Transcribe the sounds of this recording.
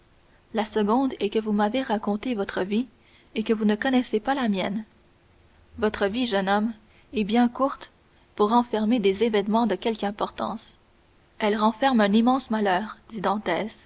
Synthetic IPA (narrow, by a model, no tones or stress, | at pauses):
lasəɡɔ̃d̪ɛkəvumaveʁakɔ̃t̪evɔt̪χəvi | ekəvunəkɔnɛsepalamjɛn | vɔt̪χəviʒənɔm | ɛbjɛ̃kuʁt̪ | puʁːɑ̃fɛʁmed̪ezevɛnmɑ̃d̪əkʲɛlkɛ̃pɔʁt̪ɑ̰̃s | ɛlʁɑ̃fɛʁmœ̃nimɑ̃smalœːʁd̪̥id̪ɑ̃t̪ɛːs